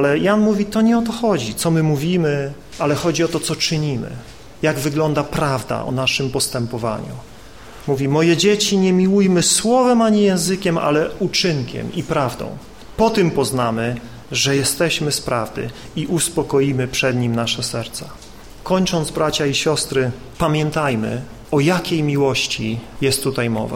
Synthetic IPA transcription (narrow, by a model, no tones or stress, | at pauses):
alɛjanmuvʲit̪ɔɲɛɔt̪ɔxɔd͡ʑit̪sɔmɘmuvʲimɘ | alɛxɔd͡ʑiɔt̪ɔt̪sɔt͡ʂɘɲimɘ̰ | jaɡvɘɡlɔnd̪apɾavd̪a̰ʔɔ̰naʂɘmpɔst̪ɛmpɔva̰ɲṵ | muvʲimɔjɛd͡ʑet͡ɕiɲɛmʲiwujmɘswɔvɛmaɲijɛ̃w̃zɘkʲɛma̰lɛut͡ʂɘŋkʲɛ̰mipɾavd̪ɔ̰̃w̃ | pɔt̪ɘmpɔznamɘ | ʐɛjɛst̪ɛɕmɘspɾavd̪ɘ̰ | iʔuspɔkɔjimɘpʂɛd̪ɲimnaʂɛsɛɾt̪sa | kɔɲt͡ʂɔnd̪zbɾat͡ɕaiɕɔst̪ɾɘ | pamʲjɛnt̪ajmɘ̰ | ɔjakʲejmʲiwɔɕt͡ɕijɛst̪ːut̪ajmɔ̰va̰